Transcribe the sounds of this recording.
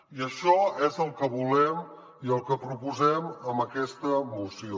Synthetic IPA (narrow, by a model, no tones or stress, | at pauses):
iəʃɔezəlˠkəβulɛm | iəlˠkəpɾupuzɛməmbəkɛst̪əmusio